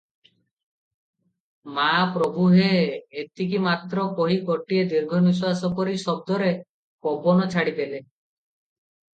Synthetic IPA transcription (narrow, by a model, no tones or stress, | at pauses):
mapɾɔbʱuɦeːt̪ikimat̪ɾɔkoɦikɔʈied̪iɾɡʱɔnis̬wasɔkɔɾisɔb̚d̪ɔɾe | kɔbʱɔnɔt͡ʃʰaɽib̪ele